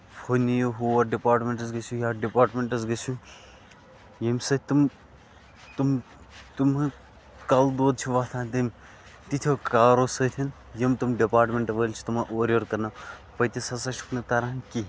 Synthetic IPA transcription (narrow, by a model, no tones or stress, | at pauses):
pʰonijoɦuːʋɐɖipaːɾʈmeɳʈɐzɡɐsujaːɖipaːʈmeɳʈɐzɡɐsʲũ | jɐmʲsɐt̪ʰʲt̪um | t̪um | t̪umɐ | kald̪oːd̪̚t͡ʃʰuʋaːt̪ʰãːnt̪im | t̪it̪ʲʰjoːkaːɾosɐt̪ʰʲin | jɐmt̪umɖipaːɾʈmʲeɳʈɐʋəlʲt͡ʃʰi̥t̪umaʔoːɾʲoːɾkɐɾnapɐt̪esɐsɐt͡ʃʰu̥knɐt̪ɐɾanki